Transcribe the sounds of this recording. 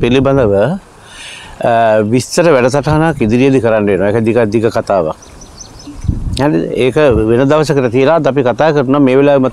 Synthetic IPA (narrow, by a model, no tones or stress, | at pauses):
piliband̪əʋə | ʋist̪əɾəʋæɖɐsaʈaɦanakid̪iɾijəd̪ikəɾanːəʋenoaekəd̪ikad̪ikəkat̪aːʋa̰k | anieːkəʋenəd̪aʋəsəkəʈət̪ijəlaːd̪ap̬ikat̪aːkəɾunameːʋelaːʋmə